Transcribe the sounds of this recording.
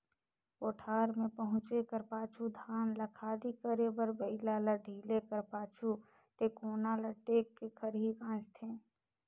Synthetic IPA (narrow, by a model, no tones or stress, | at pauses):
oːʈʰaːɾmẽpəɦʊ̃t͡ʃekəɾpaːt͡ʃʰud̪ʱaːnləkʰaːɽikəɾebəɾbəɪlalaɖʱiːlekəɾpaːt͡ʃʰu | ʈeːkoːnalaʈeːkːekʰəɾɦikãːt͡ʃt̪ʰẽː